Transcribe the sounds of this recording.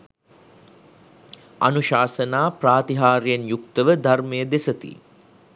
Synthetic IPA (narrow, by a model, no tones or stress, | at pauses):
a̰nuʃaːsənaːpraːt̪iɦaːɾjenjukt̪əʋəd̪ʱarmejəd̪esət̪ḭ